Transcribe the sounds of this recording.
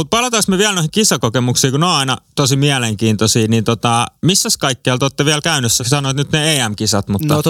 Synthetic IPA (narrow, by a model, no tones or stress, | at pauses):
ut̪̚pɑlɑt̪ɑsmeʋiælnoihikisɑkokemuksiːkuneoɑinɑ̰t̪osimiæleŋkiːnt̪osiːniːnt̪ot̪ɑmisːæskɑikːeɑlt̪oːt̪ːeʋiælkæynøsːæsɑnoet̪nyt̪neeːæmkisɑt̪mut̪ːɑ